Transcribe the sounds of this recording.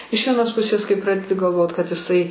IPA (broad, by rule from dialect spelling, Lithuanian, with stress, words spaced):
ɪʃ ʋʲiɛˈnoːs ˈpʊsʲeːs kɐɪ ˈprɑːdʲɛdʲɪ ɡɐlˠˈʋoːt kɐt ɪˈsɐɪ